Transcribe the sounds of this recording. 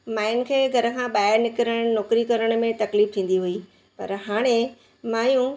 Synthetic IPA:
maːɪnkʰeːɡʱɐɾə̆kʰãːɓaːɪɾnɪkɪɾəɽ̃nɔːkɾikɐɾəɽ̃mẽt̪ɐkliːft̪ʰĩːn̆d̪iɦui | pɐ̰ɾɦaːɽ̃ẽ | maːjũ

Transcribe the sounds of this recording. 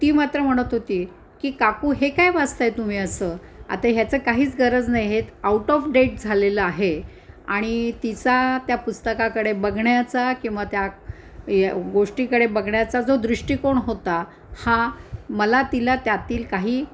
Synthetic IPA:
t̪iːmat̪ɾəm̤əɽ̃ət̪ɦot̪iː | kiːkakuːɦekajʋad͡zt̪ajt̪um̤iːəsəːa̰t̪aɦjat͡səːkaɦiːt͡sɡəɾəd͡znajɦet̪auʈɔfɖeʈ̚d͡zʱaleləaɦe | aɽ̃it̪it͡sat̪japust̪əkakəɽebəɡɳjat͡sakĩw̃ʋat̪ja | jɡoʂʈikəɽebəɡɳjat͡sad͡zod̪ɾiʂʈiːkoɳɦot̪a | hãməlat̪ilat̪jat̪iːlkaɦiː

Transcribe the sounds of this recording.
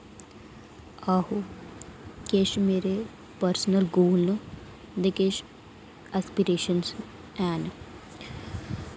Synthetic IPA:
aɦo | keʃmeːɾe | pəɾsnəlɡoːlnə | d̪ekeʃ | aspiɾeːʃəns | ɛːn

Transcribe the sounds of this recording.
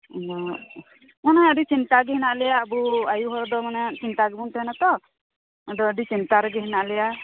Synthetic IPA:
ɔ | manɔəɖit͡ʃint̪aɡɛhinaʔlɛjaːbuajuɦɔɾd̪ɔmanɛt͡ʃint̪aɡɛbunt̪anat̪ɔ | d̪ɔːɖit͡ʃint̪aɾɛɡɛɦinaʔlɛja

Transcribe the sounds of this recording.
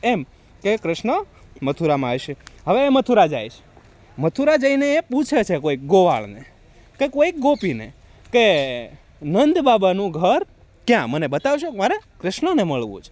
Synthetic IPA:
em | kekɾɪʃɳə | mət̪ʰuɾamãjʃeɦəʋeːmət̪ʰuɾad͡ʒa̰jʃ | mət̪ʰuɾad͡ʒəineːput͡ʃʰet͡ʃʰekoik̚ɡoʋa̰ɭne | kekoik̚ɡopinḛ | ke | nənd̪babanũɡʱəɾ | kjãmənebət̪aʋʃukmaɾekɾɪʃɳəneməɭʋṵ̃t͡ʃʰe̥

